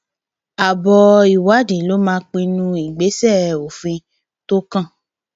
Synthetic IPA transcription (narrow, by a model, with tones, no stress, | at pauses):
a˨bɔ˧i˨wa˨˦di˨˦lo˦mãː˦k͡pĩ˧nũ˧i˨ɡ͡be˨˦sɛ˦˨o˨fĩ˧ | to˦kã˦˨